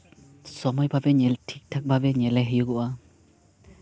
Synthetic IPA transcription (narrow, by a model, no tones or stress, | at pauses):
sɔmɔjbʱabɛɲɛltʰik̚tʰak̚bʱabɛɲɛlɛɦɯjuɡuʔa